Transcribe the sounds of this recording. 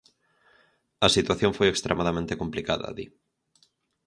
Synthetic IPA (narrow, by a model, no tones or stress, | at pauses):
ɐsit̪waθjõɱfojekst̪ɾemaðamẽnt̪ekomplika̰ðɐ̰ðḭ